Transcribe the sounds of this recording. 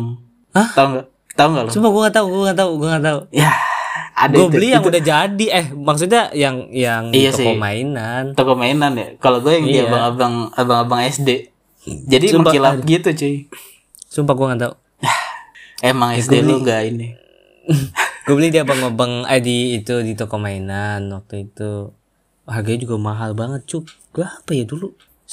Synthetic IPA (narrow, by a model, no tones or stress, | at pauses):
ah̪auŋɡa | t̪auŋɡaloumpaɡuaŋat̪auɡuaŋat̪auɡuaŋat̪auja | adɡuabəlihjaŋudahd͡ʒadiɛhmaks̬ut̪̬̚ɲajaŋjaŋat̪ɔskomainant̪ɔkomainanja̰kaloɡuajaŋdiaaŋabaŋabaŋabaŋɛsde | d͡ʒadisumpailaapɡit̪ut͡ʃi | sumpaɡuaŋant̪̬au | emaŋɛsdeluŋɡaini | ɡuabolihdiabaŋobaŋajdiːt̪udit̪okomainanwak̚t̪uit̪u | ɦaɡaɲad͡ʒuɡamaɦalbaŋət̪̚t͡ʃuɡ̥aapajadulu